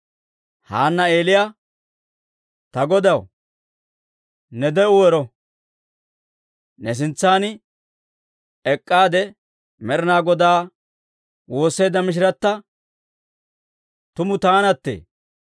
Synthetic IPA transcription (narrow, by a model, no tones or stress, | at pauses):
ha̰ːnːɐe̞ːlɪja | t̪ɐɡɔd̪ɐw | nɛd̪ɛʊwɛɾɔ | nɛs̬ɪnt͡sːaːn | ɛkʼːaːd̪ɛ | mɛɾɪnaːɡɔd̪aː | wo̞ːsːejd̪ɐmɪʃ̬ɪɾɐt̪ːɐ | t̪ʊmʊt̪aːnɐt̪ːḛː